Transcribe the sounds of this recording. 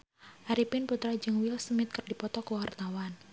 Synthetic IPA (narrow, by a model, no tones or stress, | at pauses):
ʔaɾipɪnput̪ɾad͡ʒɨŋwɪlsəmɪt̪̚kərdipɔt̪ɔkuwart̪awan